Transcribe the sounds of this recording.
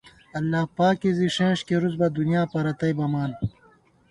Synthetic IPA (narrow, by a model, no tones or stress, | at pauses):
ɐlːaːpaːkiziʂẽːʂkeɾuzbɐd̪unjaːpɐɾɐt̪ɐjbɐmaːn